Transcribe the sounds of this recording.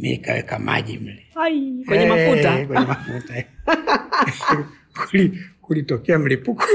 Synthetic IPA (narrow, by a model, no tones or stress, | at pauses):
mḭkawɛ̰kama̰ʄḭm̩lɛakwɛɲɛmafutakwɛɲɛmafuta | kulikulitɔkɛam̩lipuku